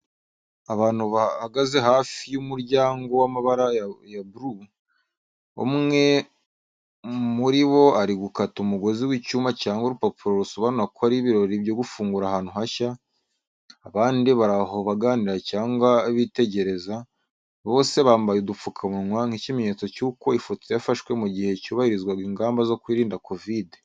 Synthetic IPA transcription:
aβaːn̥huβaaɡaze̞haːfijumuɾɟaːŋɡo̞wamaβaɾajabuɾu | o̰mŋe̞ | muɾiβo̞aɾiɡukatumuɡo̞ziwicuːmacaːŋɡwauɾupopuɾo̞ɾusoβanuɾakʰoaɾiβiɾo̞ɾibjo̞ɡufuːŋɡuɾahaːn̥huhaça | βaːndiβaɾaɦo̞βaɡaːniɾacaːŋɡwaβite̞ɟe̞ɾe̞za | βo̞ːse̞βaːmbajudup͡fukʰamuŋwaŋ̥hicimeɲe̞ːt͡so̞cuːko̞ifotjafaʃwe̞muɟihe̞cuːβahiɾizɡwaɡiːŋɡaːmbazo̞kwiːɾiːndakʰo̞vide

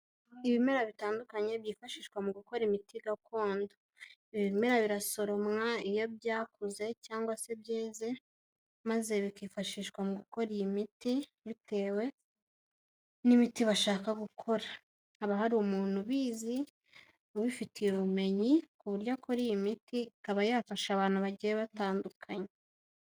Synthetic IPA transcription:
iβime̞ɾaβitaːndukaɲe̞βjiːfaʃiːʃkwamuɡuko̞ɾimitiɡakʰo̞ːndo | iβiime̞ɾaβiɾaso̞ɾo̞mŋaijo̞bjaːkuze̞caːŋɡwase̞bjeːze̞ | maze̞βikiːfaʃiːʃkwamuɡuko̞ɾijimiti | βite̞ːwe̞ | nimitiβaʃaːkaɡukʰo̞ɾaː | βaɦaɾumuːn̥huβiːzi | oβifitʰijeβume̞ɲikuβuɾɟakʰo̞ɾijimitikaβajaːfaʃaβaːn̥huβaɟijeβataːndukʰaɲe

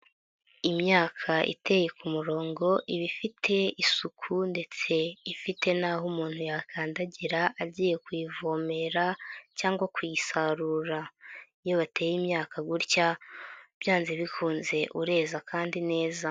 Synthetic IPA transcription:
imɲaːkʰaʔḭte̞je̞kumuɾo̞ːŋɡo̞ʔiβifitʰe̞isukʰunde̞t͡se̞ifite̞naːɦomuːn̥hujakʰaːndaɟiɾaʔaɟiːje̞kwiːvoːme̞ɾacaːŋɡwakwisaɾuɾa | joβate̞ːjimɲaːkʰaɡuɾcab̥jaːnzeβikʰuːnze̞ʔuɾe̞ːzakʰaːndine̞ːza

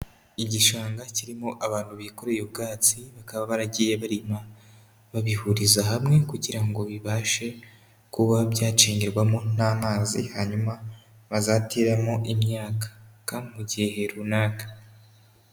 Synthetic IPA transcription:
iɟiʃaːŋɡaciɾimo̞ʔaβaːn̥huβiko̞ɾejubɡaːt͡siβakaβaβaɾaɟijeβaɾima | βaβihuɾizaɦamŋe̞kuɟiɾaŋɡo̞βiβaːʃe̞ | kuβaβɟaːt͡ʃiːɲɟeɾɡwamo̞n̥aːmaːzḭhaɲuma | βazateɾamo̞ʔimɲaːkḁkamuɟiɦe̞ɾunaːkḁ

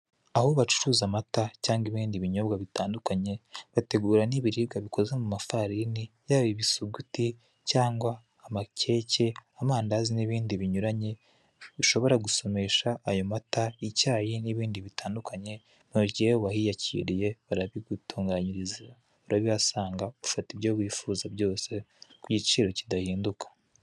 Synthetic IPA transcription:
ahoβat͡ʃu̥ɾuːzamatacaːŋɡiβiːndiβiɲo̞bɡaβitʰaːndukaɲe̞βate̞ɡuːɾaniβiɾiːɡaβiko̞zemumafaɾinijaβiβisuɡuti | caːŋɡwaː | mace̞ce̞amaːndaziniβiːndiβiɲuɾaɲe̞ | βiʃo̞βo̞ɾaɡuso̞me̞ːʃaːjo̞mataicaːjiniβiːndiβitʰaːndukʰaɲe̞ | nuɾɟihewahijacḭɾije̞βaɾaβiɡutuːŋɡaɲiɾiziɾa | uɾaβiβasaːŋɡaβufatiβjo̞βwiːfuːzabɟo̞ːse̞kuɟit͡ʃiːɾo̞cidahiːndukḁ

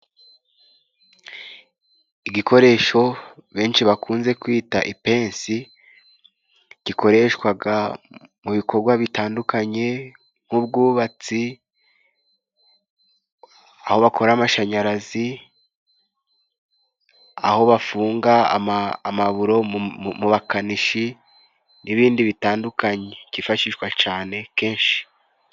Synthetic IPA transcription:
iɡikʰo̞ɾe̞ːʃo̞βe̞ːnʃiβakʰuːnze̞kwiːtaʔipe̞ːnsi | ɟ̥ikʰo̞ɾe̞ʃwaɡa | muβikʰo̞ɾɡwaβitaːndukaɲe̞ | ŋ̥hub̚ɡuːβat͡si | aho̞βakʰo̞ɾamaʃaɲaɾazi | a̰ho̞βafuːŋɡaa̰mːmaβuɾo̞muβakaniʃi | niβiːndiβitaːndukaɲe̞ɟ̥ifaʃiʃwat͡ʃaːne̞ke̞ːnʃi̥

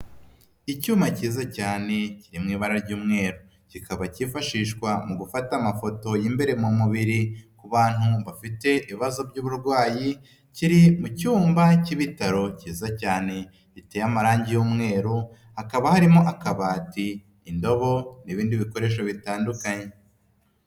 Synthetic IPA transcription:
icuːmaciːzacaːne̞ciɾimŋiːβaɾaɾɟuːmŋe̞ːɾu | cikʰaβacifaʃiːʃkwamuɡufatamafo̞to̞jimbe̞ɾe̞mumuβiɾikuβaːn̥uβafite̞ʔiβiβazo̞bɟuːβuɾɡwaːji | ciɾimucuːmbaciβitaɾo̞ciːzacaːne̞ | citejamaɾaːɲɟijuːmŋe̞ːɾu | hakaβahaɾimo̞ʔakaβaːtiː | ndo̞βo̞niβiːndiβiko̞ɾe̞ːʃ̬o̞βitaːndukaɲe

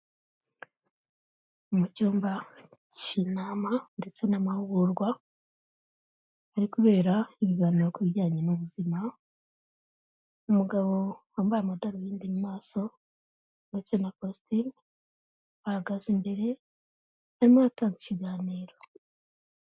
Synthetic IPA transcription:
umucuːmbacinaːmande̞t͡se̞namahuɡuɾɡwa | ɾikuβe̞ːɾaiβiɡaːniːɾo̞kuβiɟaːɲenuβuzima | umuɡaβo̞hambajamadaɾojiːndimaːso̞ | nde̞t͡se̞nakostim | βahaɡazimbe̞ɾe̞ | haɾimoataːŋɡiciɡaːniːɾo̞

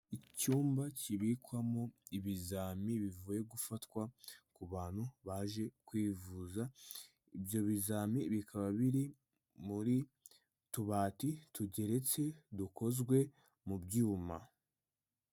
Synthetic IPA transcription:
icuːmbaciβikwamoiβizaːmiβivuːje̞ɡufatwakuβaːn̥huβaʒe̞kwiːvuza | ibjo̞βizaːmiβikaβaβiɾi | muɾi | tuβaːtituɟe̞ɾe̞t͡se̞duko̞zɡwe̞ | mubɟuːma̰

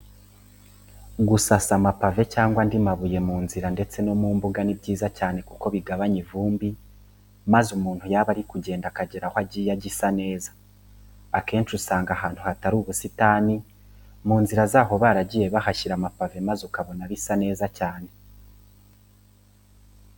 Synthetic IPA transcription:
ɡusasamapave̞caːŋɡwandimaβuje̞muːnziɾande̞t͡se̞no̞muːmbuɡanibɟiːzacaːne̞kuko̞βiɡaβaɲivuːmbi | mazumuːn̥hujaβaɾikuɟe̞ːndakaɟeɾahwaɟijaɟisane̞ːzḁː | ke̞ːnt͡ʃusaːŋɡaɦaːn̥huhataɾuβusitaːni | muːnziɾazaːɦo̞βaːɾaɟije̞βahaʃiɾamapave̞mazukaβo̞naβisane̞ːzacaːne̞

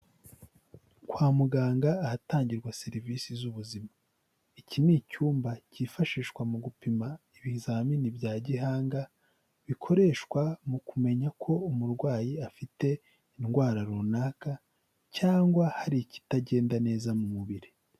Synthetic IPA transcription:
kwaːmuɡaːŋɡaːhataːɲɟiɾɡwase̞ɾiviːsizuβuzima | iciniːcuːmbaciːfaʃiːʃkwamuɡupimaiβizaːminibɟaːɟiɦaːŋɡa | βikʰo̞ɾe̞ʃkwamukume̞ɲakʰo̞umuɾɡwaːjiafite̞ | inɡwaːɾaɾuːnaːka | caːŋɡwahaɾici̥taɟe̞ːndane̞ːzamumuβiɾe

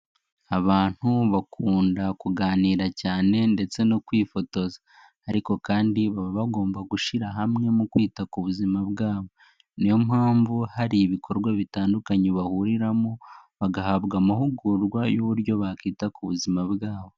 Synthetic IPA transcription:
aβaːn̥huβakʰuːndakuɡaːniːɾacaːne̞nde̞t͡se̞nokwiːfo̞to̞zaː | ɾiko̞kaːndiβaββaɡo̞ːmbaɡuʃiɾaɦamŋe̞mukwiːtakuβuzimaβɡaːβo̞ | nijo̞mhaːɱvuhaɾiβikʰo̞ɾɡwaβitaːndukaɲeβahuɾiɾamoβaɡahaβɡamahuɡuɾɡwajoβuɾjo̞βakiːtakuβuzimaβɡaːβo̞

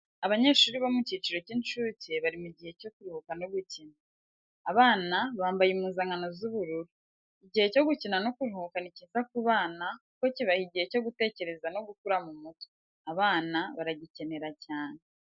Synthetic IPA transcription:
aβaɲe̞ːʃuːɾiβomuciːt͡ʃiɾo̞ciːnt͡ʃuce̞βaɾimuɟihe̞co̞kuɾuhukanoɡucinaː | βaːnaβaːmbajimuːnzaŋɡano̞zuβuɾuɾu | iɟihe̞co̞ɡucinano̞kuɾuhukaniciːzakuβaːna | ko̞ciβahiɟihe̞co̞ɡute̞ːce̞ɾe̞zano̞ɡukuɾamumuto̥ | aβaːnaβaɾaɟice̞ne̞ɾacaːne

